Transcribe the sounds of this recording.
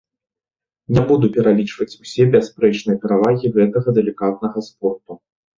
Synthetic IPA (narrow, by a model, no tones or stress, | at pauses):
nʲɛbud̪upʲɛɾalʲit͡ʂvɐt͡sʲusʲɛbʲaspɾɛt͡ʂnɨjɐpʲɛɾavaɣʲiɣɛt̪ɐɣɐd̪ɛlʲikat̪̚nɐɣɐspɔrt̪u